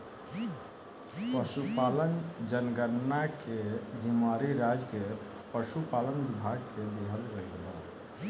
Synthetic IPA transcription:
pəʃupalənd͡ʒənɡəɾnːaked͡ʒimaɾiɾad͡ʒke | pəʃupalənbibʱaɡ̚ked̪eɦəlɾəkba

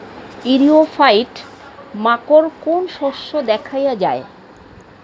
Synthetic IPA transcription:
iɾiofajʈ | makoɾkonʃoʃːod̪ɛkʰajad͡ʑae

